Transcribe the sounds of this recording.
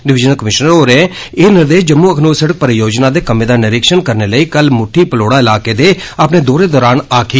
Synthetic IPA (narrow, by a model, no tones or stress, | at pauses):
ɖɪʋɪd͡ʒənəlkəmɪʃnəɾoːɾe | eːnɪɾd̪eːʃd͡ʒəmːuːəkʰnoːsəɽək̚pəɾjoːd͡ʒnaːd̪eːkəmeːd̪aːnɪɾɪkʃənkəɾneːləiːkəlmʊʈʰːiːpəloːɽaːɪlaːkeːd̪eː | əpneːd̪oːɾeːd̪ɔːɾaːnaːkʰiː